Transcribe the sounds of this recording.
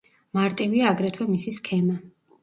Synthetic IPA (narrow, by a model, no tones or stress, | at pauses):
maɾt̪ʼiviaːɡɾɛt̪ʰwɛmisiskʰɛma